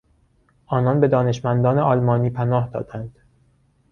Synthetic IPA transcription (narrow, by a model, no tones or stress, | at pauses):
ʔɒːnɒnbe̞d̪ɒːne̞ʃmænd̪ɒːneɒːlmɒːniːpʰænɒːhd̪ɒ̰ːd̪ænd̪̥